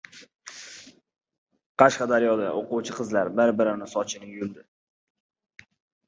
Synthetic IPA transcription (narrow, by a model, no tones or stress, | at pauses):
qʰɑʃqɑd̪aɾjɒd̪aʔoquwt͡ʃʰɪqʰɨzlaɾbɪɾbɪɾɪnɪsɒt͡ʃʰɪnɪjʊld̪ɪ